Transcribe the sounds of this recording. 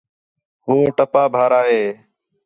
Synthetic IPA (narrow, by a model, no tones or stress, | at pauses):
ɦũːʈəpaːbʱaːɾaːɦeː